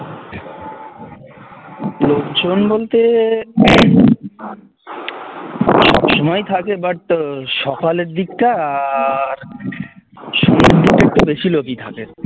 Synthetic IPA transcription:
lokd͡ʑonbolt̪e | ɔʃɔmɔjt̪ʰakebaʈ̚ʃɔkaleɾd̪ikʈaːɾ | ʃɔŋeɾd̪ik̚ʈek̚ʈubeʃilokit̪ʰake

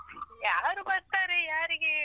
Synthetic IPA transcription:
jaːɾubɐɾt̪aːɾejaːɾiɡe

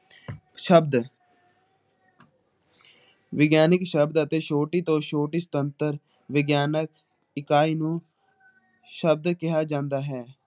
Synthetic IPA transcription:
ʃəbd̪ | ʋɪɡjaːnɪkʃəbd̪ət̪eːʃoːʈiːt̪õːʃoːʈiːsə̥t̪ənt̪əɾ | ʋɪɡjaːnək | ɪkaːiːnũː | ʃəb̚d̪kɪɦaːd͡ʒãːnd̪aːɦɛː

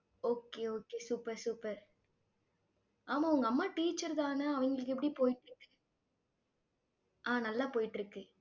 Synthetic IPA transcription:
oːkːeːoːkːeːsuːpɐɾsuːpɐɾ | ʔaːmãːʊŋɡɐɐmːaːʈiːt͡ʃːɐɾt̪aːnɐɐʋɐŋɡɐɭɯk̬ːɛp̬ːɐɽipoːjɪʈːɾɯkːɯ | ʔaːnɐlːaːpoːjɪʈːɪɾɯkːɯ

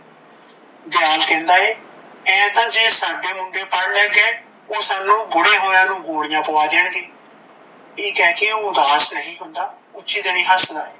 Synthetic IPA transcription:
d̪ɪjaːlkɛ̃ːnd̪aːeː | ɛ̃ːd̪ãːd͡ʒeːsaːɖeːmʊɳɖeːpəɽlɛ̃ːɡeː | oːsaːnːũːɡʊɽeːɦoːjãːnũːɡoːɽɪjãːpəʋaːd̪eːɳɡeː | iːkɛːkeʊ̃d̪aːɦəsnəɦĩːɦʊnd̪aː | ʊt͡ʃiːd̪ənĩːɦəsd̪a̰ːeː

